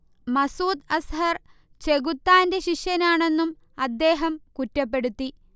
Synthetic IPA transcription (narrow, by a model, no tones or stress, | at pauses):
mɐsuːd̪ɐsɦɐr | t͡ɕe̞ɣut̪ːaːnde̞ɕiʂjɐnaːɳe̞nːum | ɐd̪ːe̞ːɦɐmkutːɐp̬ːe̞ɽut̪ːi